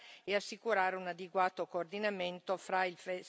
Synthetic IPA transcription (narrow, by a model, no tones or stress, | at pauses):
easːikuɾaːɾeunad̪eɡwaːt̪okoːrd̪inament̪ofɾailfe